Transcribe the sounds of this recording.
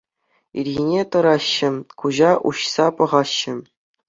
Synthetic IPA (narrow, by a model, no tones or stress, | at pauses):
ḭrʲɣʲinʲet̪ɤ̆ɾɑɕːɘ̆kuʑɑʔṵɕsɑpɤ̆ʁɑɕːɘ̆